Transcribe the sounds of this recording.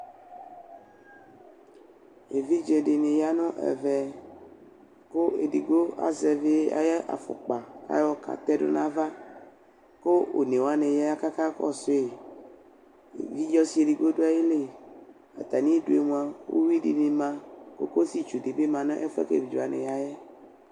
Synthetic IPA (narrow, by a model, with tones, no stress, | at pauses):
e˨vi˦d͡ʒe˨ɖe˨nẽ˨ja˦nɔ̃˦ʔɛ̰˨vɛ˨ | ko˦e˨di˨ɡo˦a̰˨zɛ˨ve˦a̰˨jɛ˦ʔa̰˨fo̰˨k͡pa˨ka̰˦jɔ˦ka̰˨t̪ɛ˦ɖo̰˦nã˦va˦ | ko˦o̰˨nẽ˨wo˨˦a˦nẽ˨je˦a˦ka˦ka˦kɔ̰˦˨so˦e˨ | vi˦d͡ʒɔ˦si˨˦e˨di˨ɡo˦ɖo˦a˨je˦le˦˨ | a̰˨t̪a˨nĩ˦ɖo˦e˨mũ˨ã˨wʔo̰˦wi˦ɖḭ˨mẽ˨mã˦ko̰˦ko˦si˦t͡ʃu˨de˨be˦mã˨nɔ̃˦ʔɛ˦fɛ̰˦kḛ˦˨bi˨d͡ʒo˨a˨nḛ̃˨ja˦jɛ˦